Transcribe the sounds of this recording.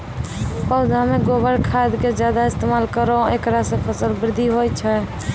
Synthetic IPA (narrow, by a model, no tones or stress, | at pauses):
pəʊd̪ʱameɡobəɾkʰad̪ked͡ʒjad̪aɪst̪emalkəɾoekɾasẽpʰəsəlbɾɪd̪ʱːiɦojt͡ʃʰɛ